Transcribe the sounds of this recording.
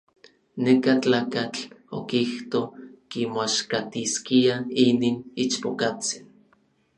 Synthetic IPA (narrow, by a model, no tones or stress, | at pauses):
nekat͡ɬaːkat͡ɬo̰kiht̪okimaʃkat̪iskiaininit͡ʃpokat͡si̥n